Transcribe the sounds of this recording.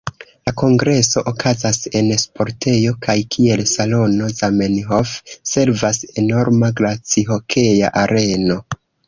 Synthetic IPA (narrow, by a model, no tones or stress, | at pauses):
lako̞ŋɡɾe̞so̞ʔokʰazase̞nspo̞ɾtʰe̞jo̞kʰajkʰie̞lsalo̞no̞zamenɦofse̞ɾvase̞no̞ɾmaɡlat͡siɦo̞kʰe̞ja̰ʔaɾʔe̞no̞